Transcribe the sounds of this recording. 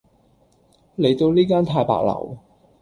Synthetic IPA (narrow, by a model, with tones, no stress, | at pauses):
le˨˧jt̪o˧wliː˥kaː˥nt̪ʰaː˧jpa̰ː˨k̚lɐ̰˨˩w